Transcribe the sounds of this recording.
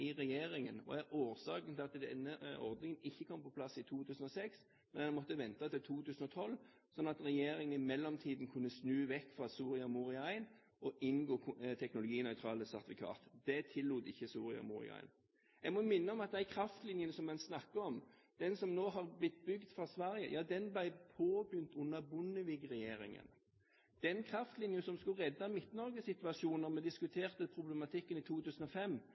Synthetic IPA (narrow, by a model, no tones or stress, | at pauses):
ɪʁɛjeːɾɪŋənɔ̰æɾoːɾsɑːkənt̪ʰɪlɑt̪d̪ɛnːəɔ̰ʁd̪nɪŋənɪçːəkʰɔmpɔpʰlɑsɪt̪ʰuːt̪ʰʉːsən̩ɔsɛks | mɛnɛnmɔt̪ːəʋɛnt̪ɑt̪ɪlt̪ʰuːt̪ʰʉːsn̩ɔt̪ʰɔlː | sɔnːɑt̪ʁɛjeːɾɪŋənɪmɛlːɔmt̪ʰiːd̪n̩kʰʉnːəsnʉːʋɛkːfʁɑsuːʁɪɑmʊʁɪɑɪn | ʔɔʔɪnɡoːt̪ʰɛknʊlʊɡiːnœʏt̪ʰʁɑːləsæʁt̪ʋɪkʰɑ̰ːt̪d̪̥ɛt̪ʰɪlːuːt̪ɪçːəsuːɾɪɑ̰mʊ̰ʁɪ̰ɑ̰ɪn | jɛɡmɔmɪnːəɔmɑt̪̚d̪æɪkʰɾɑft̪lɪnjənsɔmːɛnsnɑkːəɔmd̪̥ɛnsɔmnoːɦɑʁblɪt̪̚ːbʏɡd̪fʁɑsʋæɾjə̰jʔɑːd̪ɛnblæɪpʰoːbjʏnt̪ʰʊnːəbʊnːəʋɪɡʁɛjeːɾɪ̰ŋə̰n | d̪̥ɛnkʰɾɑft̪lɪnjənsɔmskʉʁɛd̪ːɑmɪt̪nɔɾɡəsɪt̪ʋɑsuːnəʁmɛd̪ɪskʉt̪ʰeːʁt̪əpʰɾʊblɛmɑt̪ʰɪkːənit̪ʰuːt̪ʰʉːsən̩ɔfɛmː